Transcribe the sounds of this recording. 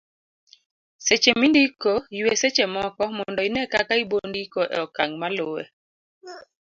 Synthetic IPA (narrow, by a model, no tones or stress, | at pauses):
set͡ʃemindikoiweset͡ʃemɔkɔmɔndɔinɛkakaibondikoʔɛ̰ɔkaŋmalʊwḛ